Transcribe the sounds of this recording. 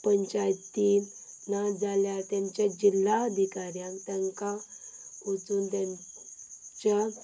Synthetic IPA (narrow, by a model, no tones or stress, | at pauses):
pəɲt͡ɕajt̪in | nad͡zaljat̪jãɲt͡ɕjad͡ʑilːaəd̪ʱikaɾjãkt̪jaŋka | ut͡suːnt̪jãɲ | t͡ɕa